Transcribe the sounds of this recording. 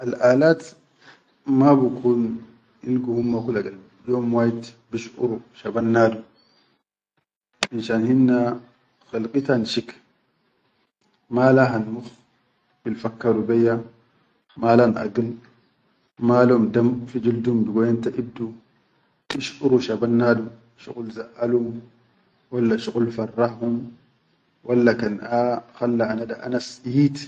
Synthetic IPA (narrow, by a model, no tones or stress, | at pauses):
ʔɐlʔaːlaːt̪ | maːbʊkʰun | ɪlɡʊhʊmːakʊlɐɡɐl | jomwaːjɪt̪ | bɪʃʊɾʊʃɐbɐnːaːd̪ʊ | ɪnʃanhɪnːa | xɪlkʼɪt̪anʃɪk | maːlaːɦɐnmʊx | b̥ɪlfɐkːɐɾʊbɛjːa | maːlanʔa̰ɡɪl | maːlmd̪amfid͡ʒuld̪umbɪɡɔjant̪aʔɪb̚d̪u | ɪʃʔʊɾuʃabanːaːdu | ʃʊ̰qʊlzaʔalum | walːaʃʊqʼʊlfɐrˤːahhʊm | wʔalːakanʔaxalːaanadaʔa̰nasiːt̪